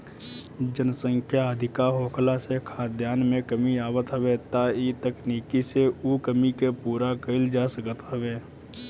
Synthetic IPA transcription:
d͡ʒənsə̃ŋkʰjaəd̪ʱɪkaɦoːkʰlasekʰaːd̪jaːnmẽkəmiaːwət̪ɦəʋet̪aːit̪əkniːkiseukəmikepuːɾakəɪld͡ʒaːsəkət̪ɦəʋeː

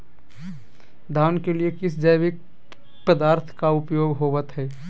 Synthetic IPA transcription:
d̪ʱaːnkeliekɪsd͡ʒəjʋɪk̚ | pəd̪aːɾt̪ʰkaʊpjoːɡɦoːʋət̪ɦɛː

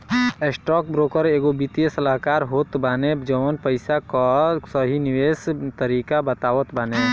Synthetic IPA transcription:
esʈɔːkbɾoːkəɾeːɡobit̪ijesəlaɦkaːɾɦoːt̪baːned͡ʒəʋənpəɪsakɔsəɦiniweːst̪əɾiːkabət̪aːʋət̪bane

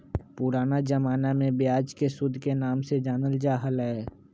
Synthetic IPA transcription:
pʊɾaːnad͡ʒəmaːnamẽbɪjaːd͡ʒkesʊd̪ʱːkenaːmsed͡ʒaːnəld͡ʒaːɦəlɦɛː

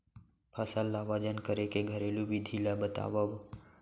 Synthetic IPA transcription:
pʰəsəlːaʋad͡ʒənkəɾekeɡʱəɾelubʱid̪ʱilabət̪a̰ːʋəʋ

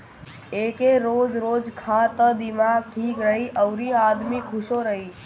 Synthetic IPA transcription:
eːkeɾoːd͡ʒɾoːd͡ʒkʰãt̪əd̪ɪmaːɡ̚ʈʰiːkɾəɦiʔəʋɾiaːd̪mikʰʊʃoɾəɦiː

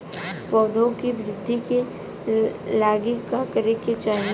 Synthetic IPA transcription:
pɔːd̪ʱõkiʋɪɾɪd̪ʱːike | laːɡikakəɾeket͡ʃaːɦn

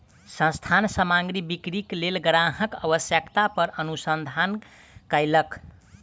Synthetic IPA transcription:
sə̃st̪ʰansəmaŋɡɾibikɾiklelɡɾaɦəkəbəsjəkt̪apəɾənusənd̪ʱan | kəjlək

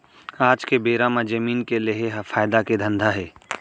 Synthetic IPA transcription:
aːd͡ʒkebeːɾamãd͡ʒɐmiːnkeleɦeɦfʰaːjd̪aked̪ʱɐ̃nd̪ʱaɦɛː

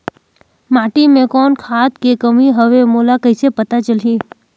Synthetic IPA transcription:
maːʈimẽkɔːnkʰaːt̪kekəmiɦəʋemoːlakəisepət̪at͡ʃəli

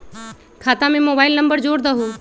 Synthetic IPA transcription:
kʰaːt̪ãːmẽːmoːbaːɪlnəmbəɾd͡ʒoːɽd̪aɦuː

